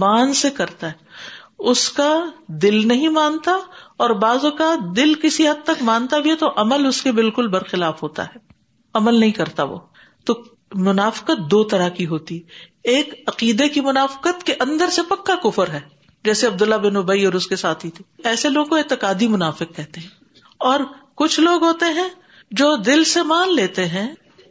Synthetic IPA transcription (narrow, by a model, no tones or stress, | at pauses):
maːnsekɐɾt̪aɦɛːʊskad̪ɪlnɐɦĩmãːnt̪aɔːɾbaːzokaːt̪̚d̪ɪlkɪsiɦɐd̪̚t̪ɐkmãːnt̪abʱiɦɛt̪oʔɐməlʊskebɪlkʊlbɐɾxɪlaːfɦoːt̪a̰ɦɛː | ɐməlnɐɦĩkɐɾt̪aʋo̰ː | t̪o | mʊnaːfɪ̥qət̪̚d̪oːt̪ɐɾakiɦoːt̪iɦɛeːkɐqiːd̪ekimʊnaːfɪ̥qət̪keʔɐ̃nd̪əɾsepɐkːakʊfəɾɦɛː | d͡ʒɛːseɐb̚d̪ʊlːabɪnʊbəiɔːɾʊskesaːt̪ʰɦit̪ʰi̥ːɛːseloːɡkoeːt̪ɪqaːd̪imʊnaːfɪqkɛɦt̪eɦɛ̃ː | ɔːɾkʊt͡ʃʰloːɡɦoːt̪eɦɛ̃ | d͡ʒoːd̪ɪlsemaːnleːt̪eɦɛ̃ː